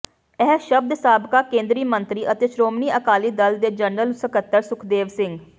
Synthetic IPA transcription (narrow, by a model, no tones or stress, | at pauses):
ɛɦʃəb̚d̪saːbkaːkẽːnd̪ɾiːmənt̪ɾiːʔət̪eːʃɾoːmniːəkaːliːd̪əld̪eːd͡ʒəɳːəlsəkət̪ːəɾsʊkʰd̪eːʋsɪŋɡ